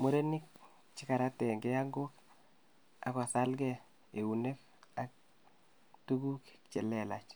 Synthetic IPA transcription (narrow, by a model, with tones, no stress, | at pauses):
mu˦ɾe˦ni˦k̚ | t͡ʃɪ˦ka˨ɾa˦tɛ˨ŋɡɛ˦a˦ŋɡo˦k | a̰˨kɔ˨sa˦lɡɛ˦ | e˨u˨ne˦k | a˨k̚ | tu˦ɡu˦k | t͡ʃɛ˨lɛ˨la̰˨t͡ʃ